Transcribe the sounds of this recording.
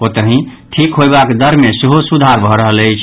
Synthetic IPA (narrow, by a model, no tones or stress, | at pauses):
ot̪əɦĩʈʰikɦojbakd̪əɾmeseɦosud̪ʱaɾbʱɔɾəɦələjt͡ʃʰ